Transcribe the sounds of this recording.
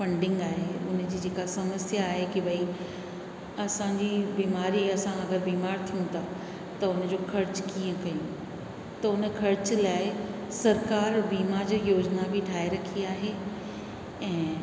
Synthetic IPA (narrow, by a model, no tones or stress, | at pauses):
fɐ̃ɳɖɪ̃ŋɡaːɦeʊnd͡ʑiːd͡ʑeːkasɐməsjaːɦekibʱɐi | ɐsãɲd͡ʑibiːmaːɾiɐsãɐɡəɾbiːmaːɾt̪ʰijũt̪ʰa | t̪ɐʊnd͡ʑoːkʰɐɾt͡ɕkiːə̃kɐjũ | t̪ɐʊn̆kʰɐɾt͡ɕ̆laːɪ | sɐɾkaːɾbiːmaɾd͡ʑjoːd͡ʑnabʱɪʈʰaːeɾɐkʰiaːɦe | ɛ̃ː